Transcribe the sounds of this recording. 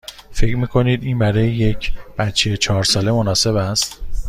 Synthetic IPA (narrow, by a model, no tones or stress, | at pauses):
fe̞cʰɾmiːkʰo̞niːd̪iːnbæɾɒːjeje̞cʰb̥æt̪t͡ʃʰːejet͡ʃʰɒːɾsɒːle̞monɒːse̞βæst̪